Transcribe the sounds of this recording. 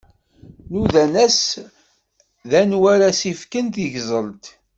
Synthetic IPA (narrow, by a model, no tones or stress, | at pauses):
nuðænæs | ðænwæɾæsifkənt̪əʝzˤəlt̪